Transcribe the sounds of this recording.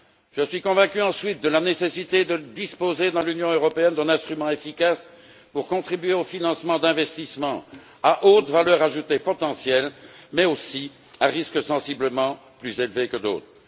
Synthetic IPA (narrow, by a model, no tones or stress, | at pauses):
ʒ̥əsɥikɔ̃vɛ̃kʲyɑ̃sɥit̪̚d̪əlanesesit̪ed̪əd̪ispozed̪ɑ̃lynjɔ̃øʁɔpeɛnd̪ɛ̃nɛ̃st̪χymɑ̃efikas | puʁkɔ̃t̪χibɥeofinɑ̃smɑ̃d̪ɛ̃vɛst̪ismɑ̃ | aʔot̪valœʁaʒut̪epɔt̪ɑ̃sjɛlmɛosi | ãʁiskəsɑ̃sibləmɑ̃ | plyzelvekəd̪o̰ːt̪χ